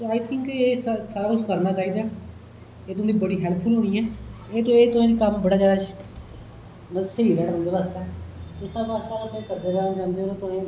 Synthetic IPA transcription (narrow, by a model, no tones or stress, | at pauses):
soːaːit̪ʰɪŋkeːssaːɾaːkʊt͡ʃʰkəɾnaːt͡ʃaːiːd̪aː | eːʊ̃ːd̪iːbəɽiːɦɛːlpʰʊlɦoːiːɛ̃ː | eːt̪õːeːt̪ʊẽːd̪iːkəmbəɽaːd͡ʒaːd̪aː | məsəiːɾɛːɽʊ̃nd̪eːʋaːst̪ɛːt̪ɪsãbaːst̪aːlət̪ʊ̃ẽːkəɾd̪eːkəɾnaːt͡ʃãːnd̪eːoːɾt̪ʊẽː